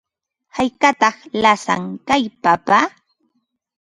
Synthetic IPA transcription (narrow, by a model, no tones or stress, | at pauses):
hajkat̪ɑχlasa̰ŋkajpapa